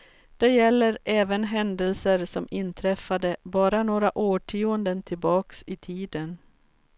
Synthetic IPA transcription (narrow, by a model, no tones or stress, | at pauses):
d̪̥ɛjɛlːəɾʔɛːvənɦɛnd̪əlsəɾsɔmɪnt̪ʰɾɛfːad̪əbɑːɾanoːɾaʔoːʈʰiːənd̪ənt̪ʰɪlbɑːksɪt̪ʰiːd̪ən